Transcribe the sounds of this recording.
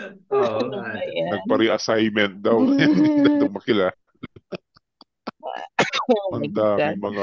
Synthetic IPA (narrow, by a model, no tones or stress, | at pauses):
nɐɡ̚pɐɾɪʔɐsajmɛnt̪̚d̪ɐwjanɪt̪ɐt̪oŋmɐkɪlaːɐ | hɐnd̪aːɪŋmɐŋa